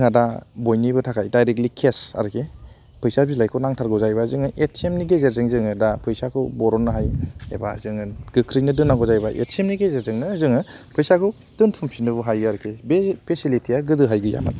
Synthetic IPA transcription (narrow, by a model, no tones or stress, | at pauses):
ŋadabojnibɯtʰakʰajdajɾek̚likʰesa̰ɾkʰe | pʰɯjsabilajkʰɔnaŋtʰaɾɡɔzajbazɯŋɯʔetʰemniɡezeɾzɯŋzɯŋɯdapʰɯjsakʰubɔɾɔnːɯɦajḛba̰zɯŋɯɡɯkʰɾijnɯdɯnːaŋɡɔzajbaʔḛtemniɡezeɾzɯŋnɯzɯŋɯpʰɯjsakʰu | d̥ɯntʰumsinɯbuɦajɡɯaɾkʰebepʰesilitʰiaɡɯdɯɦajɡɯja̰ma̰t